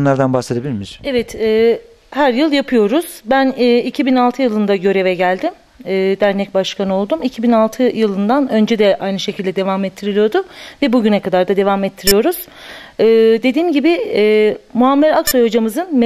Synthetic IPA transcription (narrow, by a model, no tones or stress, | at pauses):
nˠaɾd̪anbased̪ebilʲimiɾ̥ɛvɛt̪ɛː | hæɾjɯlˠjapʰɯjo̞ɾuz̥bænːicʰibinalˠt̪ʰɯjɯlˠɯnd̪aɟø̞ɾe̞vɛɟælʲd̪imː | d̪æɾnɛc̚baʃkʰanɯo̞lˠd̪umicʰibinalˠt̪ʰɯjɯlˠɯnd̪anø̞nd͡ʒɛd̪ɛʔajnɯʃe̞cʰilʲd̪ɛd̪e̞vamɛt̪ʰːiɾilijo̞ɾd̪ʊvɛbuɟynɛkad̪aɾd̪ad̪e̞vaːmɛt̪ʰːiɾijo̞ɾuz̥ | ɯːd̪e̞d̪iːmɟibɪː | muɦamːɛɾaksojhod͡ʒamɯzɯnm